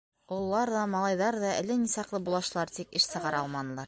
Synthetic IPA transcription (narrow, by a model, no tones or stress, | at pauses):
ulˠːɑɾðɑmɑlˠɑjðɑɾðɑɘ̰̆lɘnisɑqlˠɤbulˠɑʃlˠɑɾt̪ikɘʃsɤ̆ʁɑɾɑlˠmɑnɤ̆lˠɑɾ